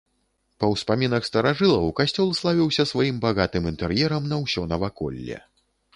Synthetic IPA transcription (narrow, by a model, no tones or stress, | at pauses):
pɐwspamʲinɐxst̪ɐɾaʐɨlˠɐwkasʲt͡sʲɔlˠslˠavʲiwsʲɐsvajimbaɣat̪ɨmint̪ɛrjɛɾɐmnɐwsʲɔnɐvakɔ̰lʲːɛ̰